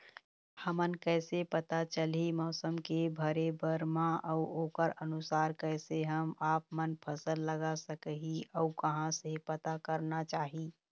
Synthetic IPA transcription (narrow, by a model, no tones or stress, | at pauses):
həmənkɛɪsepət̪at͡ʃəlimɔːsəmkebʱəɾebʱəɾmãʔəʊoːkəɾənusaːɾkəɪseɦəmaːp̚mənpʰəsəlːəɡasəkəɦiʔɔukəɦãsepət̪akəɾnat͡ʃaːɦi